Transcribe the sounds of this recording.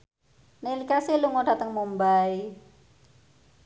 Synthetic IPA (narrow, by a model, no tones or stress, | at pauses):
nelikasiluŋoɖ̥a̤t̪əŋmombaj